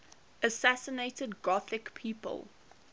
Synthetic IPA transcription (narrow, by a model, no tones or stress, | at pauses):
ʔəsæsəneɪtədɡɔθɪkpʰiːpə̰lˠ